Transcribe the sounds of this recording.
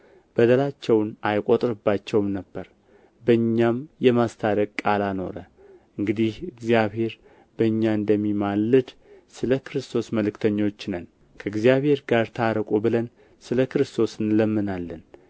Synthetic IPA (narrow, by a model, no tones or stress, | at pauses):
b̥əd̪əlat͡ʃːɛwnajkʼot̪ʼɾɨbːat͡ʃːɛwmnəbːəɾ | bəɨɲːamjɛmast̪ʰad̪əkʼkʼalano̞̰ɾə | ʔɨŋɡɨd̪ihɨɡzijaβhe̞ɾ | bəɨɲːaɨnd̪əmːimalːɨd̪ | sɨləkʰɨɾɨst̪ʰo̞sməlɨkt̪ʰəɲːo̞t͡ʃːnən | kʰəɨɡzijaβhe̞ɾɡaɾt̪ʰaɾəkʼubɨlən | sɨləkɨɾɨst̪ʰo̞sɨnləmːɨnalːən